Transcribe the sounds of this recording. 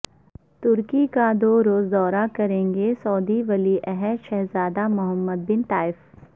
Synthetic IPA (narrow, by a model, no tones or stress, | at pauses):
t̪ʊɾkikad̪oːɾoːzd̪ɔːɾakɐɾẽːŋɡesɔːd̪iʋɐliʔɛɦɛʃɛɦzaːd̪amʊɦəmːəd̪̚bɪnt̪aːɪf